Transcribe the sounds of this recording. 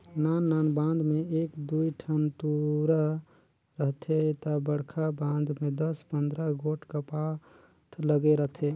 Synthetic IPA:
nanːanbãnd̪meekd̪uiʈʰənt̪uɾə | ɾəɦt̪ʰet̪əbəɽkʰabãnd̪med̪əspənd̪ɾəɡoʈʰkəpa | ʈʰləɡeɾəɦt̪ʰe

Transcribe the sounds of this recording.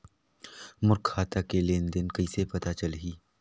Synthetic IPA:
mʊɾkʰːaːt̪akelẽːnd̪ɪnkɐisepɐt̪at͡ʃɐlɦiː

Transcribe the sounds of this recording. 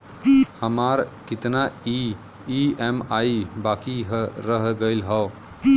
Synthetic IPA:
həmaɾkit̪nai | iemaibakiɦɾəɦɡəɪlɦə

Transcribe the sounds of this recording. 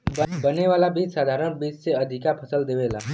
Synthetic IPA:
bɐneʋaːlabiːt͡ʃsaːd̪ʱaːɾəɽ̃biːt͡ʃseɐd̪ʱɪkapʰəsəld̪eːʋeːla̰ː

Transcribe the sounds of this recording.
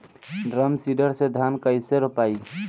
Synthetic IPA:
ɖɾəmsiɖəɾsed̪ʱankəɪseɾopai

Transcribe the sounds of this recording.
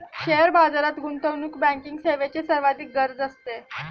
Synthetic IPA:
ɕeəɾbad͡zaɾat̪ɡunt̪əwnukbæ̃ŋkiŋɡseʋet͡ɕesəɾʋad̪ʱiːk̚ɡəɾd͡zəst̪e

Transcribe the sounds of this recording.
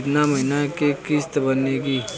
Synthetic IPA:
t̪naməɦɪnakekɪst̪bəneɡiː

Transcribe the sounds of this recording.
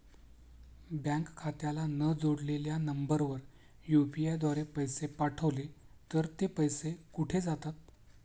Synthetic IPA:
bjãŋkkʰːat̪jalanəd͡zoɽleljanəmbəɾʋəɾ | jupiad̪ʋaɾepəjsepaʈʰəʋlet̪əɾt̪epəjsekuʈʰed͡zat̪at̪̚

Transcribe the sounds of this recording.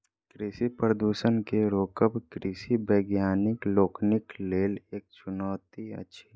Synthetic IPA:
kɾiːsipɾəd̪uːʃənkeɾoːkəbkɾiːsibɛːɡjaːnɪkloːknɪkleːleːk̚t͡ʃʊnɔːt̪iə̰tːʃʰi

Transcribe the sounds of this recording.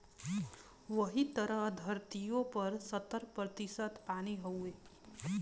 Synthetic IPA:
ʋəɦit̪əɾəɦd̪ʱəɾt̪ijõpəɾsət̪əɾpɾət̪isət̪pañiɦəwe

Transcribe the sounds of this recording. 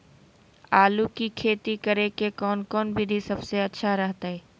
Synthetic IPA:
aːlukikʰeːt̪ikɐɾekekɔːnkɔːnbʱid̪ʱisɐbseɐtːʃʰaɾɐɦt̪aɦɛː

